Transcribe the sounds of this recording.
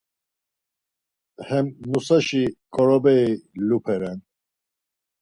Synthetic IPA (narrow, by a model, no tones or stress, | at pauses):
hɛmnusaʃikʼɔɾɔbɛilupʰɛɾɛn